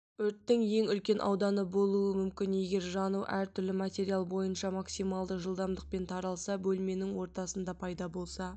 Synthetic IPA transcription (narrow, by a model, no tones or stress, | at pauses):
ɵɾt̪ːɪŋje̞ŋʏlkʲe̞nʔɑ̰wd̪ɑnəbo̞lˠuəmʏmkʲɪne̞ɡʲe̞ɾʒɑnuʔæɾt̪ʰʏɾlɪmat̪ʲe̞ɾijalˠbo̞jənʃɑmaksijmɑlˠd̪əʒəlˠd̪ɑmd̪əq̚pe̞nt̪ʰɑɾɑlˠsɑbɵlme̞nɪŋwo̞ɾt̪ɑsənd̪ɑpʰɑjd̪ɑbo̞lˠsɑ